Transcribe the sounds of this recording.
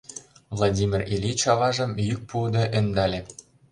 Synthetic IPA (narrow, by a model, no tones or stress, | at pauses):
vlˠadʲimʲirelʲit͡ɕɑvɑʒɤ̆mjyk̚pud̪ɤ̆ʔɘ̆nd̪ɑlʲĕ